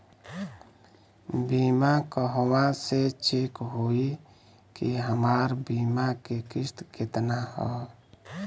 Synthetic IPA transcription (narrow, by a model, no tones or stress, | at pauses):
biːmakəɦwãset͡ʃɪkɦoi | kiɦəmaːɾbiːmakekɪʃt̪kɪt̪nahɔː